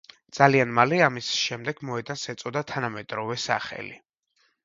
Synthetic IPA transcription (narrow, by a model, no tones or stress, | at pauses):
d̪z̥alianmaliamisʃɛmd̪ɛɡ̥mɔɛd̪ansɛt̪sʼɔd̪at̪ʰanamɛd̪ʼɾɔvɛsa̰χɛ̰lḭ